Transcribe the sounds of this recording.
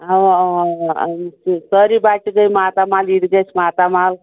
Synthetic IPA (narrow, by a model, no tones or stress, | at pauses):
a | səɾibaʈɡəjmat̪amaliɽɡet͡ʃʰmat̪amal